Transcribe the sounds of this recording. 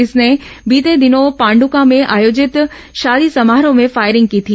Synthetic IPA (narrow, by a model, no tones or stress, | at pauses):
ɪsne | biːt̪ed̪ɪnopãːɳɖukãmẽʔaːjoːd͡ʑɪt̪ | ʃaːd̪isɐmaːɦɾõmẽfaːɪɾɪ̃ŋɡ̚kiːt̪ʰiː